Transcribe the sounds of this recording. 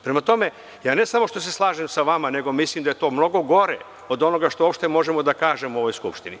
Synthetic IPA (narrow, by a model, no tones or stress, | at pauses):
pɾemat̪o̞me̞ | jaːne̞samo̞ʃt̪o̞s̬e̞slˠaːʒemsaʋamane̞ɡo̞mislimd̪aje̞t̪o̞ːmno̞ɡo̞ɡo̞ɾḛ | o̞d̪o̞no̞ɡaʃt̪oopʃt̪e̞mo̞ʒemo̞d̪akaːʒemoo̞ʋo̞jskṵpʃt̪ini